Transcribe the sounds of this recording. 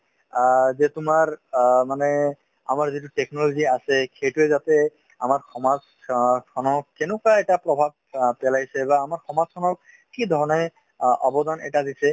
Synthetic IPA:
zɛt̪ʊmaɹmanɛ | a̰maɹzituʈɛknɔloziasɛkʰejtuɛzat̪ɛ | amaɹxʰɔmaz | kʰɔnɔkɛnʊkaɛʈapɹɔbʱab̚pɛlajsɛbaːmaɹxʰɔmazkʰɔnɔ | kid̪ʱɔɹɔnɔj | ɔbɔd̪anʔɛ̰ʈad̪isɛ

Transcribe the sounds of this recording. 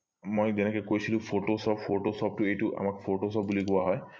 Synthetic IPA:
mojzɛnɛkɔkojsilʊ̃pʰotosɔppʰoʈosɔp̚tʊejtuʔa̰makpʰoʈosɔp̚bulikʊaɦɔj

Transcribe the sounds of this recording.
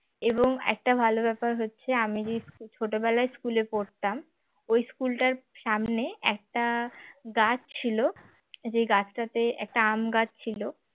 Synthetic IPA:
eboŋɛ̰k̚ʈabʱalobɛpaɾɦotːɕʰeamid͡ʑeskut͡ɕʰoʈobɛlaeskulepoɾt̪am | ojskulʈaɾʃamneɛk̚ʈaɡat͡ɕʰt͡ɕʰilo | d͡ʑejɡat͡ɕʰʈat̪eɛ̰k̚ʈaamɡat͡ɕt͡ɕʰilo

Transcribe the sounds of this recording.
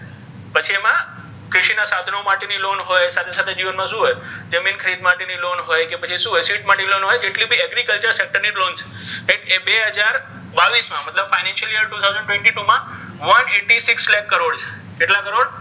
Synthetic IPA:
pət͡ʃʰiemã | kɾɪʃinasad̪ʱənomaʈenilonɦojsat̪ʰesat̪ʰed͡ʒiʋənmãʃũɦojd͡ʒəminkʰəɾid̪ʱmaʈenilonɦojkepət͡ʃʰiʃũɦojsiʈmaʈeilonɦojd͡ʒeʈlibʱiɛɡɾikəlt͡ʃəɾsek̚ʈəɾnilont͡ʃʰe̥ | eʈebeɦəd͡ʒaɾ | baʋismãmət̪ləbfainɛ̃nʃəlijəɾʈut̪ʰawzə̃ɳɖʈʋẽɳʈiʈumã | ʋəneʈisɪkslɛkːəɾoɽt͡ʃʰe̥ | keʈlakəɾoɽ

